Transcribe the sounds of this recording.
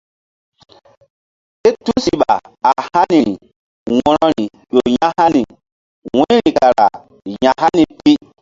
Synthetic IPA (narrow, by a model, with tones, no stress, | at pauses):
ɗe˦tu˦si˨ɓa˨a˨ha˦ni˨i˨ | wɔ˦ɾɔ˦ɾi˨ | ɗo˨ja˦ha˦ni˨ | wẽ˦ɾĩ˨ka˨ɾa̰˨ | ja˨ɦa˦ni˨pi˦